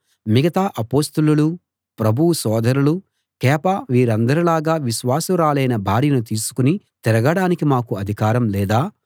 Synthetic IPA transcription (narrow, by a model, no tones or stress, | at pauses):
miɡɐt̪aːʔɐpoːst̪ululu | pɾɐbʱuwusɔːd̪ʱɐɾulu | kɛːpaʋiːɾɐnd̪ɐɾilaːɡaːʋiʃʋaːsɐɾaːlɐjnɐbʱaːɾinut̪iːsu̥kuni | t̪ɛɾɐɡɐɽaːnikimaːkuɐd̪ʱikaːɾɐmlɛːd̪aː